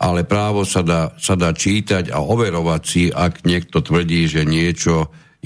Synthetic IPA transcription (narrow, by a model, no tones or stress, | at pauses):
ʔalɛpɾaːʋɔsad̪aːsad̪aːt͡ʃiːt̪aɟa̰ɔʋɛɾɔʋacsiʔaɡɲɪɛk̚t̪ɔt̪ʋr̩ɟiːʒɛɲɪɛt͡ʃɔ